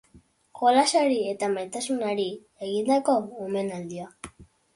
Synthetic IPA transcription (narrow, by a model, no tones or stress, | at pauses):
ko̞lasaɾie̞t̪amajt̪asunaɾi | eɣind̪ako̞ome̞nald̪ia